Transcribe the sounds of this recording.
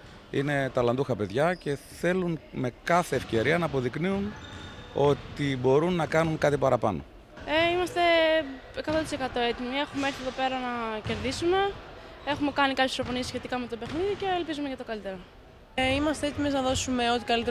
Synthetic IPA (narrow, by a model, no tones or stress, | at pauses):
ḭne̞t̪ɐlɐnd̪uxɐpe̞ðʝɐce̞θe̞lunme̞kɐθe̞ːfce̞ɾiɐnɐːpo̞ðikniun | o̞t̪ibo̞ɾunːɐkɐnunkɐt̪ipɐɾɐpɐ̰no̞̰ | eimɐst̪e̞ | ekɐt̪ot̪isekɐt̪o̞e̞t̪imie̞xumeeɾθieðope̞ɾɐnɐce̞ɾðisume̞e̞xume̞kɐnikɐpçesɾofo̞niesçe̞t̪ikɐme̞t̪o̞pe̞xniðice̞ːlpizumeʝɐt̪okɐlit̪e̞ɾo | imɐst̪e̞e̞t̪imeznɐðo̞sume̞o̞t̪ikɐlit̪e